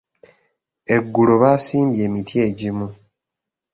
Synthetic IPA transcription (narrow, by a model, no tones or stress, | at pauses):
e̞ɡːuloβaːsiːmbje̞ːmitʰie̞ːɟimu